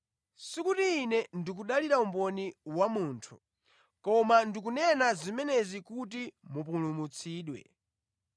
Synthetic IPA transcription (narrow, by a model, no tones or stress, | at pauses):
sikutiːnɛndik̬uɗaliɾaumbɔniwamuːntʰu̥ | kɔmandik̬unɛnazimɛnɛzikut̬imupulumut͡sʰiːɗwɛ̰